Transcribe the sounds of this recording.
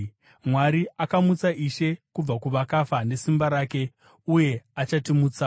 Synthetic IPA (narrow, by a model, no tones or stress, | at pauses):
mwaɾiʔakamut͡saʔiʃe̞kub͡vakuʋakafane̞simbaɾaːke | uje̞at͡ʃatimuːt͡sa